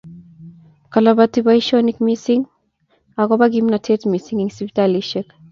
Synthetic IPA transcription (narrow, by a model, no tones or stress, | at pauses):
kalaβatiβaiʃɔnikmisiŋ | akɔbaɡimnatʰɛtmisiŋiŋsipitaliʃɛk